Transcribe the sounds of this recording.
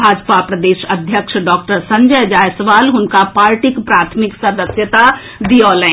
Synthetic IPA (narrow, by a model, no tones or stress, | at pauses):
bʱaːd͡ʒpapɾɐd̪eːʃɐd̪ʱjəkʃɖɔːkʈəɾsɐ̃ɲd͡ʒəjd͡ʒaːjsəʋaːlɦʊnkapaːɾʈɪkpɾaːt̪ʰmɪksɐd̪əsjət̪a | d̪iɔːlə̃